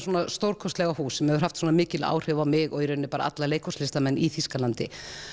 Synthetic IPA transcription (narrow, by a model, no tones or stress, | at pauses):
sɔːnast̪owɾkʰɔst̪lɛɣahuːsɛmhɛɣvʏɾ̥haft̪suːnamɪːcɪla̰ːwr̥ɪvawmɪɣɔɣiɾʏnːɪpaːɾa̰ʔa̰t̪laleːjkʰɔslɪst̪amɛnːiθiskalant̪ɪ̰